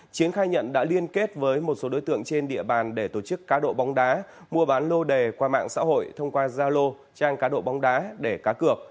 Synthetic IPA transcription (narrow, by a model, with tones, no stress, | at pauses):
t͡ɕi˨˦ənxaː˧jɲə̰˧˨nɗa̰ː˧˥li˧ənke˦˥t̚vəː˨˦jmo˨˩t̚so˨˦ɗo̰˨˦jt̪ɨ̰˧˨əŋt͡ɕe˧nɗḭ˧˨əɓaː˨˩nɗe˧˩t̪o˧˩t͡ɕɨ˦˥kːaː˨˦ɗo̰˧˨ɓa˨˦wŋ͡mɗaː˨˦ | mu˧əɓaː˨˦nlo˧ɗe˨˩kwaː˧ma̰ː˧˨ŋsa̰ː˧˥ho̰˧˨jt̪ʰə˧wŋ͡mkwaː˧zaː˧lo˧ | t͡ɕaː˧ŋkaː˨˦ɗo̰˧˨ɓa˨˦wŋ͡mɗaː˨˦ɗe˧˩kaː˨˦kɨ˨˩ək̚